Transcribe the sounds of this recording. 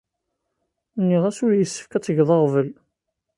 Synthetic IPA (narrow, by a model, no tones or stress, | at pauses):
nːiʁæsʊɾjəsːə̥fkæt͡sːəʝðˤɑʁvəl